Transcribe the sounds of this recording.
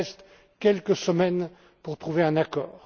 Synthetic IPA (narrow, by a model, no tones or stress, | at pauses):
ɛst̪ | kʲɛlkəsəmɛn | puʁt̪χuveɛ̃nakɔ̰ːʁ